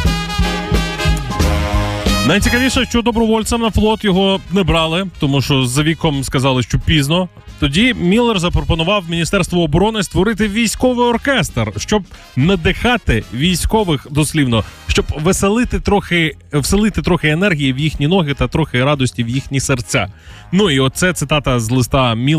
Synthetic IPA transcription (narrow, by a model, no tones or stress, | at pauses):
nɐjt͡sʲikɐʋʲiʂɐʃt͡ʃɔd̪ɔbɾɔʋɔlʲtsɐmnɐflˠɔt̪jɔɦɔnɛbɾɑlˠɪt̪ɔmuʃt͡ʃɔzɐʋʲikɔmskɐzɑlˠɪʃt͡ʃɔpʲiznɔ | t̪ɔdʲimʲilˠːɛrzɐpɾɔpɔnʊʋɑwmʲinʲist̪ɛrst̪ʋɔːbɔɾɔnɪst̪ʋɔɾɪt̪ɪʋʲijsʲkɔʋɪjɔrkɛst̪rʃt͡ʃɔb̚ | nɐd̪ɪxɑt̪ɪʋʲijsʲkɔʋɪxd̪ɔsʲlʲiwnɔʃt͡ʃɔbʋɪselˠɪt̪ɪt̪ɾɔxɪwselˠɪt̪ɪt̪ɾɔxɪenɛrɦʲijiwjixnʲinɔɦɪt̪ɐt̪ɾɔxɪɾɑd̪ɔsʲtʲiwjixnʲisert͡sʲa̰ | nuiɔt̪sɛt̪sɪt̪ɑt̪ɐzlˠɪst̪ɑmʲi